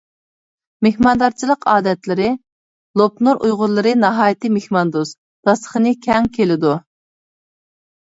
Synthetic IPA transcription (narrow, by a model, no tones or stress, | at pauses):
mehmɑnd̪ɑɾt͡ʃʰilˠəqʰɑːd̪ɛt̪lɪɾɪ | lˠop̚nuɾʔujʁʊɾlˠɨɾɨnɑɦɑːjɪt̪ɨmehmɑnd̪us | d̪̥ɑsə̥χənɨkʲʰɛŋkʲʰelɪd̪u